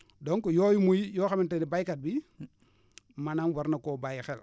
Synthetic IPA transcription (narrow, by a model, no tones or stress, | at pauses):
doŋkojojimujjoxamintedibajkat̚bi | mananwaɾnakoːbajxɛl